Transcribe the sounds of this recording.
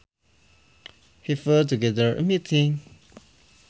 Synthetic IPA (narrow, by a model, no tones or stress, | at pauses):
hifɜtuɡɛðə˞ə̰mitʰĩŋ